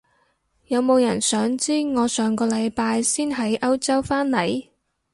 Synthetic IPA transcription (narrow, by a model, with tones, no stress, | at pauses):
jɐ˨˧wmo˨˧wjɐ˨˩nsœː˨˥ŋt͡siː˥ŋɔː˨˧sœː˨˧ŋkɔː˧lɐ˨˧jpaː˧jsiː˥nɦɐ˨˥jʔɐ˥wt͡sɐ˥wfaː˥nlɐ˨˩j